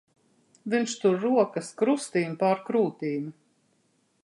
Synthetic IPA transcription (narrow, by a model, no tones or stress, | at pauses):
vinʃt̪uɾːuɔkɐskɾust̪iːnpaːɾkɾuːt̪iːm